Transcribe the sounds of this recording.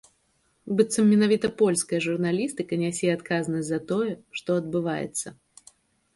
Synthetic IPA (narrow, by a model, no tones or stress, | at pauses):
bɨt̪sɐmːʲɛnavʲit̪ɐpɔlʲskəjɐʐurnalʲist̪ɨkɐnʲasʲeɛat̪kazənɐzɐt̪ɔjɛʂt̪ɔɐd̪̚bɨva̰jɛ̰t̪sːɐ